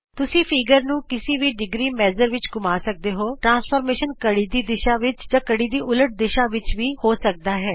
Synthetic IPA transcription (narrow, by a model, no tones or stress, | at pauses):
t̪ʊsĩːpʰiːɡəɾnũːkɪsiːʋiːɖɪɡɾiːmɛːzəɾʋɪt͡ʃɡʊmaːsək̚d̪eːɦoːʈɾãːspʰəːɾmeːʃənkəɽiːd̪iːd̪ɪʃaːʋɪt͡ʃd͡ʒãːkəɽiːd̪iːʔʊləʈ̚d̪ɪʃãːʋɪt͡ʃʋiːhoːsək̚d̪aːɦɛː